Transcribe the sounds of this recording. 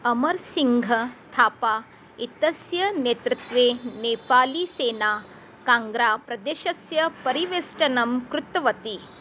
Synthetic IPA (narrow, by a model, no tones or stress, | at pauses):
ɐmɐɾsiŋɡʱɐt̪ʰaːpaː | it̪ɐsjɐneːt̪ɾɪt̪ʋeːneːpaːliseːnaː | kaːŋɡɾaːpɾɐd̪eːʃɐsjɐpɐɾiʋeːsʈɐnɐmkɾut̪ɐʋɐt̪i